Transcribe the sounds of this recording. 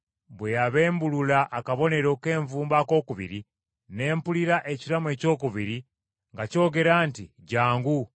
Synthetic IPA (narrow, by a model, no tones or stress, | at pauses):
βwejaβe̞ːmbululaʔːkaβo̞ne̞ɾo̞ke̞ːɱvuːmbako̞ːkuβḭɾi | ne̞ːmpuliɾaʔe̞ciɾamue̞ːco̞ːkuβiɾi | ŋɡaco̞ːɡe̞ɾaːnti | ɟaːŋɡu